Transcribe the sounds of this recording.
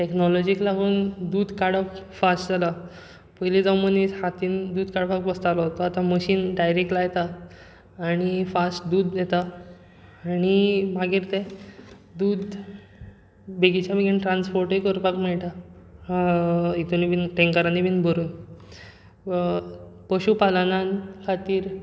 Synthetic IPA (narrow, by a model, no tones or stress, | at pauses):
ʈeknɔlɔd͡ʑiklaɡuːnd̪uːd̪kaɽəkfasʈd͡zala | pəɦlid͡zɔmənihat̪iːnd̪uːd̪kaɽpakʋəst̪alɔɦot̪ɔat̪ãməɕiːnɖajɾek̚ʈlajt̪aː | ɽ̃ifasʈd̪uːd̪jɛt̪a | aːñimaɡiɾt̪e | d̪uːd̪ | beɡit͡ɕabiɡinʈɾãnspɔɾʈikəɾpakmɛɭʈ̪aãit̪unibinʈẽŋkaɾanibiːnbʱəɾuːn | pəɕupalanãnkʰat̪iːɾ